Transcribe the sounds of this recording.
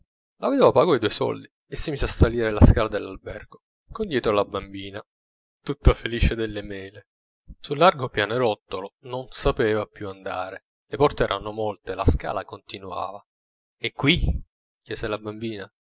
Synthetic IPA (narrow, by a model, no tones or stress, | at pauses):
laved̪eːvapaːɡoijd̪uːesɔ̰ld̪i | esːimiːzeasːaliːɾelaskaːlad̪elːalbɛ̰rɡo | kond̪jɛːt̪ɾalabambiːna | t̪ut̪ːafeliːt͡ʃed̪elːemɛːle | sulːarɡopjaːnoɾɔt̪ːolononsapeːvapjuand̪a̰ːɾe | lepɔrt̪eɛːɾanːomolt̪elaska̰ːlakont̪inua̰ːva | ekːwi | kjɛːzelabambiːna